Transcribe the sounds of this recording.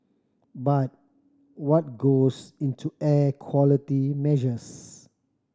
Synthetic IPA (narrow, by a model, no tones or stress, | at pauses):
bat̚ | wɔt̚ɡosĩntʰuɛkʰwɔlitimɛʒəs